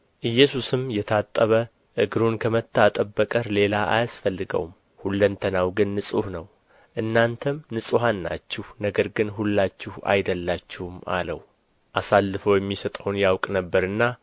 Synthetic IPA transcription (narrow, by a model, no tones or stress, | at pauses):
ʔɨjːɛsusɨmjɛt̪ʰat̪ʼːəβə | ʔɨɡɾunkʰəmət̪ʰːat̪ʼəbːəkʼəɾle̞laʔa̰jasfəlːɨɡə̰wm | hulːənt̪ʰənawɡɨnːɨsʼuhnəw | ʔɨnːant̪ʰəmnɨsʼuɦanːa̰t͡ʃːɪhnəɡəɾɡɨnɦulːat͡ʃːɪha̰jd̪əlːat͡ʃːɪhuma̰lə̰w | ʔasalːɨfəwjɛmːisət̪ʼəwnjawkʼnəbːəɾɨnːa